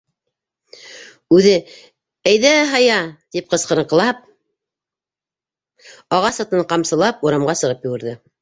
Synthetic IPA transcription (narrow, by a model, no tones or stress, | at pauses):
ʉðɘ | æjðæɦɑjɑt̪ip̚qɤ̆sqɤ̆ɾɤ̆qlˠɑp̚ | ɑʁɑsɑt̪ɤɴqɑmsɤ̆lˠɑp̚uɾɑmʁɑsɤ̆ʁɤpjɘ̆wɘ̆ɾðɘ